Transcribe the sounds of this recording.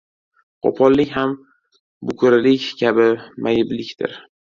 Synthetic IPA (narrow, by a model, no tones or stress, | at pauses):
qʰo̰pʰɒllːɪkʲham | bʊkʰʊɾɪlɪkʲkʲʰabɪmʔajɪblɪkʲt̪ʰɪ̰ɾ